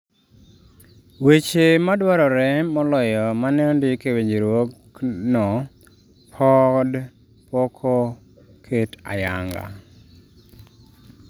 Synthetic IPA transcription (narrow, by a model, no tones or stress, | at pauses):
wet͡ʃemadwaɾɔɾɛmɔlɔjɔmanɛndɪkeweɲd͡ʒeɾwok | nɔ | pʰɔd | pɔkʰɔ | kʰeta̰ja̰ŋɡa̰